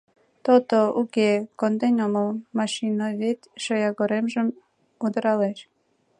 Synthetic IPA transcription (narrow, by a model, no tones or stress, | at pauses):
t̪ot̪oukekond̪enʲoməlmɑʃinojβet̪ʲʃojɑɣoɾemʒəm | ud̪əɾɑleʃ